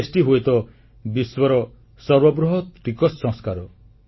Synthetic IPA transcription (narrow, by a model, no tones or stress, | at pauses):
sʈiɦojt̪ɔ | biswɔɾɔ | sɔɾwɔbɾuɦɔt̪ɾikɔsːɔ̃ŋskaɾɔ